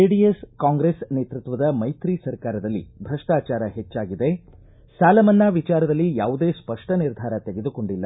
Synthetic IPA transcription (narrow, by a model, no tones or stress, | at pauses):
eɖieskaːŋɡɾesneːt̪ɾut̪ʋɐd̪ɐmɐjt̪ɾisɐɾkaːɾɐd̪ɐlːḭbʱɾɐʂʈaːt͡ʃaːɾɐhet͡ʃːaːɡid̪e̞ | saːlɐmɐnːɐʋit͡ʃaːɾɐd̪ɐlːijaːʋud̪eːspɐʂʈɐniɾd̪ʱaːɾɐt̪e̞ɡe̞d̪uko̞ɳɖilːɐ